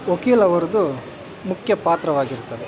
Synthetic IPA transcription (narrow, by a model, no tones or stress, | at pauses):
okiːlɐʋɐɾɐd̪u | mukʰjɐpaːt̪ɾɐʋaːɡiɾt̪ɐd̪e